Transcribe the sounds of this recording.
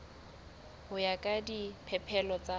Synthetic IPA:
hʊjakʼadipʰɛpʰɛlɔt͡sʼa

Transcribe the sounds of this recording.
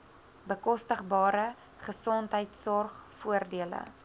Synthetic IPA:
bəkɔstəχbɑːɾə | χəsɔntɦəjtsɔrχfuərdiələ̰

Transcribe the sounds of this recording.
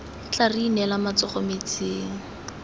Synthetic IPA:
t͡ɬarinɛlamat͡sɔχɔmet͡seːŋ̩

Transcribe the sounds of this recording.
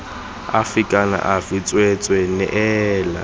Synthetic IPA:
a̰fikʼana̰ʔavit͡sʼwet͡sʼwɛnɛ̰ʔɛːla̰

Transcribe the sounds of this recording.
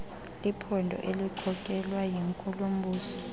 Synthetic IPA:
lipʰɔndʱɔ̰ʔelikʰɔkʼɛlwajiŋkʼulum̩buːsɔ̥

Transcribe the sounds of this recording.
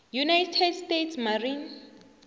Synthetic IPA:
junajtʰɛdstetʰsmarin

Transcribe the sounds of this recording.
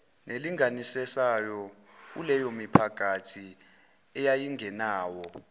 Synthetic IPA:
neliŋanisɛsajɔ | k̬ulɛjomipʰak̬ʼatʰi | ɛjajiŋɛnaːwɔ

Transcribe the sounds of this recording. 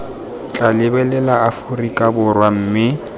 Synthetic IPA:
t͡ɬʼalɪbɛlɛlaafʊrikʼabʊrwam̩ːmɪ

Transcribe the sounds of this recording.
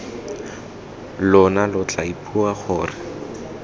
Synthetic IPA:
lʊnalʊt͡ɬʼaipʰʼuaχʊːrɪ

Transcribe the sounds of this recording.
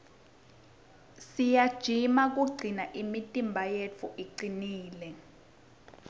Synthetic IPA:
sijad̥ʒ̥ʱimak̬uɡ͡ǀʱinaʔimitʼimbʱajet͡fʰuʔiǀiniːlɛ

